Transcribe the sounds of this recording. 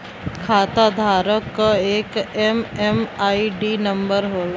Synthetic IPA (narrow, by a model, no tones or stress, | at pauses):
kʰaːt̪ad̪ʱaːɾəkːeːkemɛmaːiɖinɐ̃mbəɾɦoːl